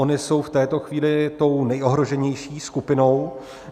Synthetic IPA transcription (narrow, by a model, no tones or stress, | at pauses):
o̞nɪso̞wft̪ɛːt̪o̞xviːlɪt̪o̞wnɛjʔo̞ɦɾo̞ʒɛɲɛjʃiːskupɪno̞w